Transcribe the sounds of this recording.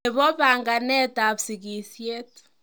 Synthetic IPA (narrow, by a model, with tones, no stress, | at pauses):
e˨βɔ˦βa˨ŋɡa˨nɛ˦ta˨βsi˨ɣi˨sje˦tu̥˨